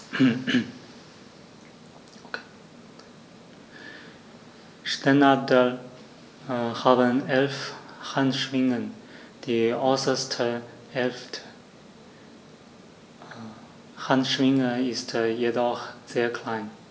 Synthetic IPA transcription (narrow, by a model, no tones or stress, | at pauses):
ʃtanadəl | haːbənɛlfhantʃv̥ɪŋən | d̥iːɔʏsɐstʰə | ʔɛlftʰə | hantʃv̥ɪŋəɪstjedɔχz̥eːɐkʰl̥aɪn